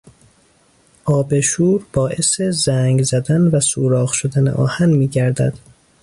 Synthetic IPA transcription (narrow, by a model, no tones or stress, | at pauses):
ʔɒːbe̞ʃuːɾbɒːʔe̞se̞zæːŋɡzæd̪ænvæsuːɾɒːɣʃod̪ænḛʔɒ̰ːhænmiːɟæɾd̪æ̰d̪̥